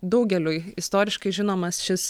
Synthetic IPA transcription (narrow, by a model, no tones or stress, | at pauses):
d̪ɒʊɡʲɛlʲujɪst̪oːɾʲɪʃkɐɪʒʲɪnoːmɐsʃʲɪs